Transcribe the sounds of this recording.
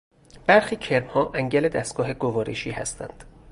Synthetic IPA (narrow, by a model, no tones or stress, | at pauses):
b̥æɾxiːcʰe̞ɾmhɒːʔæŋɟæle̞d̪æst̪̚ɡ̥ɒːɦe̞ɡovɒːɾḛʃiːhæ̰st̪ʰæ̰nd̪̥